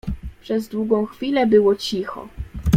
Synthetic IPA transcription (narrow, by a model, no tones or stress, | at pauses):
pʂɛzd̪wuɡɔ̃w̃xfʲilɛbɘwɔt͡ɕixɔ̰